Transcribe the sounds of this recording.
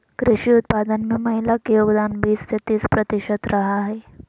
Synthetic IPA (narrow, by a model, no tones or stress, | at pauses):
kɾɪɕiːut̪̚pad̪ənmiməɦilakijoɡd̪anʋiːst̪ʰet̪iːt͡spɾət̪iɕət̪ɾaɦaɦe